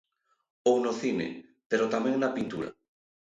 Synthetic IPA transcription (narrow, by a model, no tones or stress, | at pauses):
ownoθinḛpeɾot̪amẽŋnapint̪uɾa̰